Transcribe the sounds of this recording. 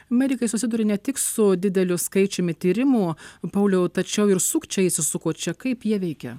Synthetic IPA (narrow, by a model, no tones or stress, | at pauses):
ɐmʲɛɾʲɪkɐɪsʊsʲɪd̪uːɾʲɪnʲɛt̪ʲɪksʊd̪ʲɪd̪ʲɛlʲʊskɐɪt͡ʃʲʊmʲɪt̪ʲiːɾʲɪmupɐʊlʲɛʊt̪ɐt͡ʃʲɛʊɪɾsuːkt͡ʃʲɛɪsʲɪsʊkoːt͡ʃʲɛkɐɪpjiɛʋʲɛɪkʲɛ̰